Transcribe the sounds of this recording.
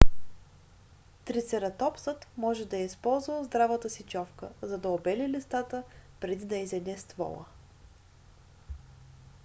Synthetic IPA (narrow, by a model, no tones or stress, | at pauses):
t̪ɾit̪sɛɾɐt̪ɔpsət̪mɔʒɛd̪ɐɛispɔlˠzvəzd̪ɾavət̪əsit͡ʃɔfkə̰zɐd̪ɐobɛlilist̪at̪əpɾɛd̪id̪ɐizɛd̪ɛst̪vɔ̰lˠə̰